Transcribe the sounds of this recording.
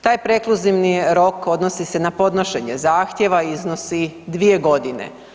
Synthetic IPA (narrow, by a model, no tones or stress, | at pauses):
t̪aːjpɾe̞klˠuziʋniɾo̞ko̞d̪nosise̞napo̞d̪noʃe̞ɲezaːxt̪je̞ʋaizno̞sid̪ʋije̞ɡo̞d̪inḛ